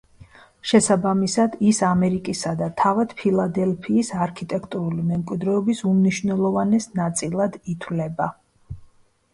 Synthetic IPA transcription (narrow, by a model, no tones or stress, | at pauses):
ʃɛsabamisad̪isamɛɾikʼisad̪at̪ʰavad̪̥pʰilˠad̪ɛlpʰiːsaɾkʰit̪ʼɛkʰt̪ʼuɾulimɛmkʼwid̪ɾɛɔbisumniʃvnɛlˠɔvanɛsnat̪sʼilˠad̪it̪ʰwlɛba